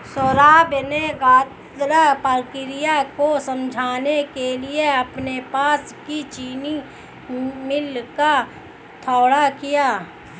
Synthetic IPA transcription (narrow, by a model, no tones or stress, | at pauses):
soːɾaːbneɡaːt̪ | ɾəpəːɾkɪɾijakosə̃md͡ʒʱaːnekelieɐpnepaːskit͡ʃiːni | mɪlka | t̪ʰɔːɽakijaː